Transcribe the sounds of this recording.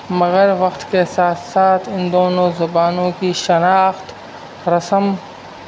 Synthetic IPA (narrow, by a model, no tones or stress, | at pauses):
mɐɣɐɾʋɐqt̪kesaːt̪saːt̪ʰɪnd̪oːnoːzʊbaːnõːkiːʃɐnaːxt̪ | ɾɐsɐm